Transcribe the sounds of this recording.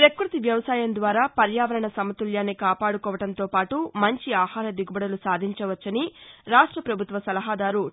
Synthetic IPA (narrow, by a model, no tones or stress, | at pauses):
pɾekɾut̪iʋjɐʋɐsaːjɐnd̪ʋaːɾaːpɐɾjaːʋɐɾɐɳɐsɐmɐt̪uljaːnːikaːpaːɽukɔːʋɐʈɐnt̪oːpaːʈumɐɲt͡ʃiaːhaːɾɐd̪iɡubɐɽɐlusaːd̪ʱiɲt͡ʃɐʋɐt͡ʃːɐniɾaːʂʈɾɐpɾɐbʱut̪ʋɐsɐlɐɦaːd̪aːɾu